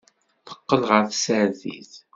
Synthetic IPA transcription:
θə̥qːəlʁəɾθsəɾðḭθ

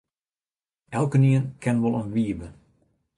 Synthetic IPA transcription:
ʔɛlˠkəniənkʰɛnʋɔlˠənʋiːəbə

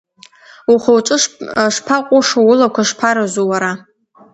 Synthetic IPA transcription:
uχʷowʈ͡ʂʼɨʂʂpʰaqʷʼʊʂowʊlakʷʰaʂpʰaɾazowaɾa

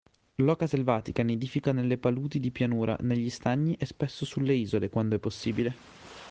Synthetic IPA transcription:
lɔːkaselvaːt̪ikaned̪iːfikanelːepaluːt̪id̪ipjanuːɾa̰neʎːist̪aɲːiʔɛspesːosulːeiːzolekwand̪oɛpːosːiːbile

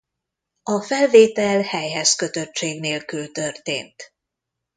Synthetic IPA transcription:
ɒfɛlveːt̪ɛlhɛjɦɛskø̞t̪ø̞t͡ʃːeːɡneːlkylt̪ø̞rt̪ḛːnt̪

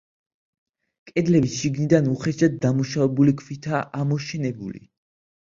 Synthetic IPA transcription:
kʼɛd̪lɛbisʃiɡnid̪anuχɛʃad̪̚d̪amuʃavɛbulikʰvit̪ʰaʔamɔʃɛnɛbṵlḭ

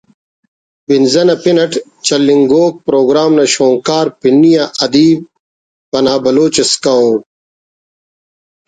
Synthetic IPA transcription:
binzɐnɐpinɐʈ | t͡ɕɐlːiŋɡoːk̚pɾoːɡɾaːmnɐɕoːŋkaːɾpinːijaʔɐd̪iːb̚ | pɐnaːbɐloːt͡ɕeskɐoʈ̚

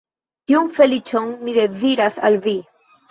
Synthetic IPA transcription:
t̪iuŋfelit͡ʃoŋmiðeθiɾaθa̰lvi

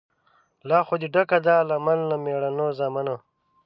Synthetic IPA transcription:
lɑːxod̪iɖakad̪aːlamalːameːɽanozaːmano

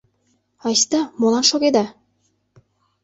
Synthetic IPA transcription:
ɑjst̪ɑmolˠɑnʃoɣed̪ɑ

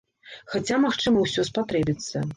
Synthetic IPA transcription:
xat͡sʲamaxt͡ʂɨmɐwsʲɔspat̪ɾɛbʲit̪sːɐ̰

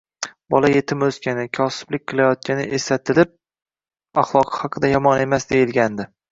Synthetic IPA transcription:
bɒlaje̞t̪ʰɪmɵskʲanɪkʲʰɒsɪ̥b̥lɪk̚ʲqʰɨlajɒt̪̚ʲanɪʔesat̪ʰɪlɪp̚ | ɑχlˠɒqʰɨ̥hɑqʰɨd̪ajɒmɒne̞masd̪e̞jɪlˠɡʲand̪ɪ

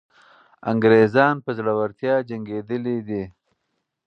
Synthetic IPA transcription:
a̰ŋɡɾezɑnpəzlawaɾt̪jɑd͡ʒaŋɡed̪əlid̪i

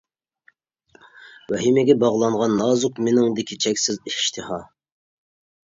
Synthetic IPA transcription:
wɛɦimɪɡʲɛbɑʁlˠɑɴʁɑnːɑːzʊqmenɪŋd̪ɪkʲʰit͡ʃʰɛkʲsɪziʃt̪ʰɨhɑ

